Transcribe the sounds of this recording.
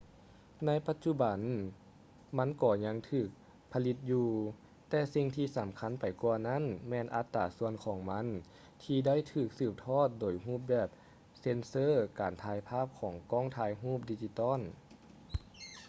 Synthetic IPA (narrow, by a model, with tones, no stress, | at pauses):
na˧˥jpa˧t̪̚t͡ɕu˧ba˨˩n | ma˧˥˨nkɔː˧˩ɲa˧˥ŋt̪ʰɯː˧˩k̚ | pʰa˧li˧t̪̚juː˧ | t̪ɛː˧si˧ŋt̪ʰiː˧sa˨˦mkʰa˧˥npa˨˩jku˧ɐna˦˥˨nmɛː˧nʔa˧˥t̪ːaː˨˩su˧ənkʰɔː˨˩˦ŋma˧˥n | t̪ʰiː˧da˥˨jt̪ʰɯː˧˩k̚sɯː˧˩p̚t̪ʰɔː˥˩t̪̚doː˨jɦuː˥˩p̚bɛː˧˩p̚ | se˧˥nsɤː˧˥˨kaː˨˩nt̪ʰaː˧jpʰaː˥˩p̚kʰɔː˨˩˦ŋkɔː˧˥˩ŋt̪ʰaː˧˥jɦuː˥˩p̚di˧t͡ɕi˧t̪ɔː˥˨n